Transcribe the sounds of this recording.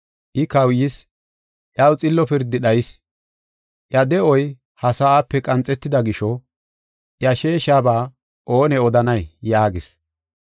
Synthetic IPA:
ʔɪkɐwjɪs | ʔjɐwt͡sʼɪlːɔpɪɾd̪ːɪɗɐjɪs | ʔjɐd̪ɛɔj | hɐsaaːpːɛkʼɐnt͡sʼːɛt̪ːɪd̪ɐɡɪʃɔ | ʔjɐʃe̞ːʃaːbaː | ʔo̞ːnɛɔd̪ɐnɐjjaːɡɪs

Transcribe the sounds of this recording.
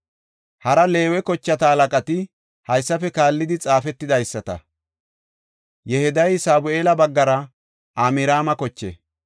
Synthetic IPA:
hɐɾɐle̞ːwɛkɔt͡ʃːɐt̪ɐɐlɐkʼɐt̪ɪ | hɐjsːɐfɛkaːlːɪd̪ɪt͡sʼaːfɛt̪ːɪd̪ɐjsːɐt̪ɐ̰ | jɛhɛd̪ɐjsaːbʊʔeːlɐbɐɡːɐɾɐ | ʔaːmɪɾaːmɐkɔt͡ʃːɛ̰

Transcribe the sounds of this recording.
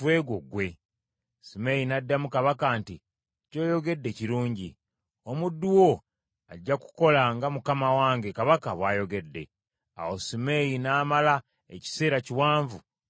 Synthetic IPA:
we̞ːɡwoɡwe̞ | simejinadːamukaβakaːnti | co̞ːjo̞ɡe̞dːe̞ciɾuːɲɟi | o̞mudːuwo̞ | aɟːaku̥ko̞laŋɡamukamawaːŋɡe̞kaβakaβwaːjo̞ɡe̞dːe̞ | a̰wo̞simejinaːmala | ḛci̥se̞ːɾaciwaːɱvu

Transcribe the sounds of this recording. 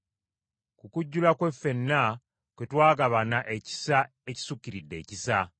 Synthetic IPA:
kukuɟːulakwe̞fːe̞nːa | kwetwaːɡaβanaʔeci̥sa | eci̥sukːiɾidːe̞̰ːcisa

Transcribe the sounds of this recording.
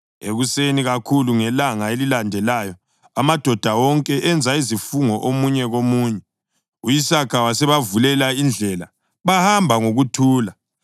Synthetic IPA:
ḛɣuseniɣakʰuluŋɛlaŋaelilandʱɛlajɔ | amad̥ʱɔd̥ʱawɔŋkʼɛʔɛnd͡zʱaizifuŋɔʔomuɲɛɣomuːɲɛ | ujisakʰawasɛβavulɛlaind͡ɮʱɛla | βahambʱaŋoɣutʰuːla

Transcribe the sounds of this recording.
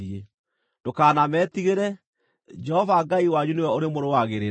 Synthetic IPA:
ie | d̥okaːnamɛːtiɣeɾɛ | d͡ʒɛhɔvaɡaiwaɲunewɛoɾemoɾowaɣeɾe

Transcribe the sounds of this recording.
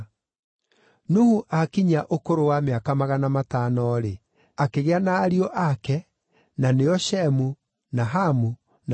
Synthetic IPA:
nuhuʔakiɲaʔokoɾowameakamaɣanamatanɔɾe | akeɣeanaːɾiɔʔakɛ | naneɔʃɛmu | naɦamu | n

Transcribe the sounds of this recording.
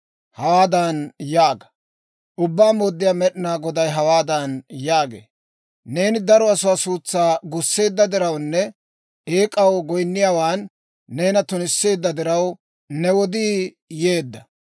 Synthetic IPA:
hɐwaːd̪ɐnjaːɡɐ̥ | ʔʊbːaːmoːd̪ːɪjaːmɛɗɪnaːɡɔd̪ɐjɦɐwaːd̪ɐnjaːɡḛː | ne̞ːnɪd̪ɐɾɔɐsʊwaːsuːt͡sːaːɡʊsːe̞ːd̪ːɐd̪ɪɾɐwnːɛ | ʔeːkʼɐwɡɔjnːɪjaːwaːnː | e̞ːnɐt̪ʊnɪsːe̞ːd̪ːɐd̪ɪɾɐw | nɛwɔd̪iː | je̞ːd̪ːɐ

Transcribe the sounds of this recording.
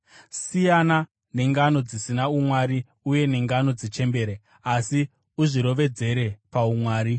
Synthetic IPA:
sijana | ne̞ŋɡano̞d͡zisinaumwaɾi | uje̞neŋɡano̞d͡zit͡ʃe̞mbe̞ːɾe | asi | uʐiɾo̞ʋe̞d͡ze̞ɾe̞paumwaːɾi

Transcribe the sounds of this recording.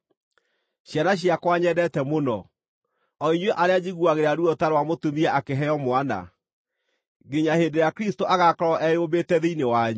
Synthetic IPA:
ɕjanaɕ̬iakwaɲɛdɛtɛmonɔ̰ | ɔiɲweʔaɾead͡ʑiɣuaɣeɾaɾuɔtaɾwamotomiɛʔakeɦɛɔmoana̰ | ɡeɲaheːndeɾeakɾistoʔaɣakɾɔʔɛjobetɛðeinewaɲu

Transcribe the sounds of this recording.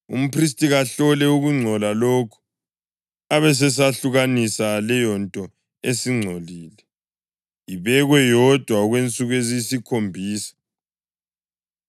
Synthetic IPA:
ṵm̩pʰris̬tʼiɣaɬɔlɛuɣuŋ͡ǀʱɔlalokʰu̥ | aβɛs̬ɛs̬aɬuɣanisalɛjɔntʼɔ | esiŋ͡ǀʱoliːlɛ | iβɛɣwɛjɔd̥ʱwaɣwent͡sʼuɣezisikʰombʱiːsḁ

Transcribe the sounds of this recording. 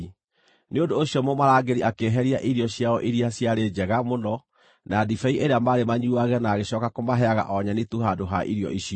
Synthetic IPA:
neondoːɕjɔmomaɾaːɡeɾiʔakeːɦɛɾiaʔiɾijɔɕjaɔ̰ʔiɾiaɕjaɾed͡ʑɛɣamonɔ | naːdifɛiʔeɾeamaːɾemaɲuaɣɛnaːɣeɕɔːkakomaɦɛaɣa̰ʔɔɲanituɦadoɦaʔḭɾjɔ̰ʔiɕiɔ

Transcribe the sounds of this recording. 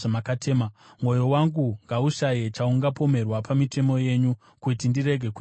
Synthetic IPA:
amakatʰeːma | mwo̞jowaŋɡuŋɡauʃajet͡ʃauŋɡapo̞me̞rwapamite̞mo̞je̞ɲu | kutindiɾe̞ɡʱe̞ku

